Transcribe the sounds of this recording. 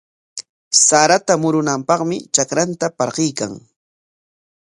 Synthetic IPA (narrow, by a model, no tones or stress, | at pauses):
saɾat̪amʊɾʊnampɑχmɪt͡ʃakɾant̪apɑɾɢɪjka̰ŋ